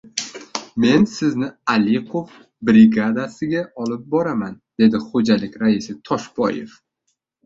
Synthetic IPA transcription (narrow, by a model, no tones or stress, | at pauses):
me̞nsɪznɪaleqʰof | bɾɪɡad̪asɪɡʲaɒlɪp̚bɒɾamand̪̥e̞d̪ɪχod͡ʒalɪkʲɾaɪsɪt̪ʰɒʃbɒ̰je̞̰f